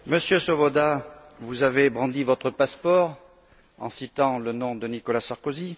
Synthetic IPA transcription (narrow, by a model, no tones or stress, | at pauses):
məsjøsɔbɔd̪a | vuzavebʁɑ̃d̪ivɔt̪χəpaspɔʁ | ɑ̰̃sit̪ɑ̃lənɔ̃d̪ənikɔlasaʁkɔzi